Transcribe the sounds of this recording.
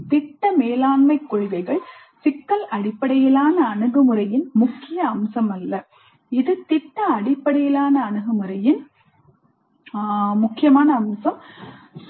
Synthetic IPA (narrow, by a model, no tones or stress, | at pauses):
t̪ɪʈːɐmeːlaːɳmɐɪkːʊɻɪʋɐɪɣɐɭ | sɪkːɐlʔɐɽɪpːɐɽɐjɪlaːnɐːɳɯɣɯmɯɾɐjɪnmʊkːɪjɐːmsɐmɐlːɐ | ɪðɯt̪ɪʈːɐɐɽɪpːɐɽɪjɪlaːnɐːɳɯɣɯmɯɾɐjɪn | mʊkːɪjɐmaːnɐːmsɐm